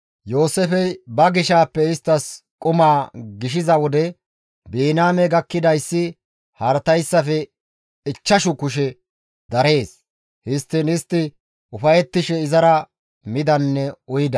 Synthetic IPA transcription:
jo̞ːsɛfɛjbɐɡɪʃaːpːɛɪst̪ːɐskʼʊmaːɡɪʃɪzɐwɔd̪ɛ | beːnaːmɛɡɐkːɪd̪ɐjsːɪ | hɐɾt̪ɐjsːɐfɛ | ɪt͡ʃːɐʃʊkʊʃ̬ɛ | d̪ɐɾe̞ːs | hɪst̪ːɪnɪst̪ːɪ | ʊfɐjɛt̪ːɪʃɛɪzɐɾɐ | mɪd̪ɐnːɛʊjɪd̪ɐ

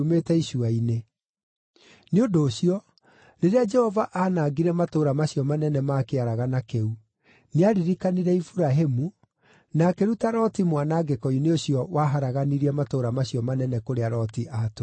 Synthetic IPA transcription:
umetɛiʃuaine | neondoːɕiɔ | ɾeɾead͡ʒɛhɔvaʔanaːɡiɾɛmatoːɾamaɕiɔmanɛnɛmaːkeaɾaɣanakeu | neaɾiɾikaniɾɛifuɾaɦemu | nakeɾutaɾɔtimwanaɡɛkɔineoɕjɔwaɦaɾaɣaniɾiɛmatoːɾamaɕjɔmanɛnɛkoɾeaɾɔtiʔaːto

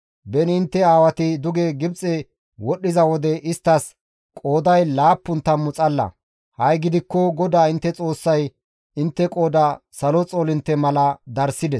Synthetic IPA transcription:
bɛnɪɪnt̪ːɛaːwɐt̪ɪd̪ʊɡeːɡɪbt͡sʼɛ | wɔɗːɪzɐwɔd̪ɛʔɪst̪ːɐs | kʼo̞ːd̪ɐjlaːpːʊnt̪ːɐmːʊt͡sʼɐlːɐ̰ | hɐjɡɪd̪ɪkːɔɡɔd̪aːɪnt̪ːɛt͡sʼo̞ːsːɐj | ɪnt̪ːɛkʼo̞ːd̪ɐ | sɐlɔt͡sʼoːlɪnt̪ːɛmɐlɐd̪ɐɾsɪd̪ɛs

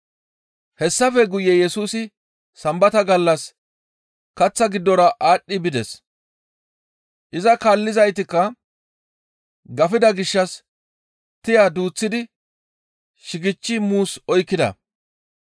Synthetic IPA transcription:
hɛsːɐfɛɡʊjɛjɛsuːsɪ | sɐmbɐt̪ɐɡɐlːɐs | kɐt͡sːɐɡɪd̪ːɔɾɐʔaːɗːɪbɪd̪ɛs | ʔɪzɐkaːlːɪzɐjt̪ɪkːɐ | ɡɐfɪd̪ɐɡɪʃːɐs | t̪ɪjad̪uːt͡sːɪd̪ɪ | ʃɪɡɪt͡ʃːɪmuːsɔjkːɪd̪ɐ̰

